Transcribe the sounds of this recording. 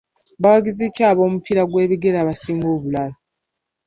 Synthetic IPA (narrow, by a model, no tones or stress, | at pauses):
bawaɡizicaːβo̞ːmupiɾaɡwe̞ːβiɡe̞ɾaːβasiːŋɡoːβulala